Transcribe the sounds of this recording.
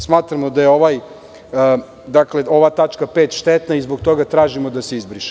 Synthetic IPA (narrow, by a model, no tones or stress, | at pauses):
smaːt̪ɾamod̪ajeo̞ʋaj | d̪akle̞ʔo̞ʋat̪at͡ʃkapeːt̪ʃt̪et̪naizboɡt̪o̞ɡat̪ɾaːʒimod̪ase̞izbɾiʃi̥